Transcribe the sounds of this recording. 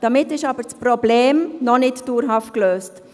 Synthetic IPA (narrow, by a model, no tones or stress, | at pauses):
d̥amɪtɪʃɑːbəɾt͡sprɔbleːmnɔnɪtd̥uːɾɦɑft̚kløːst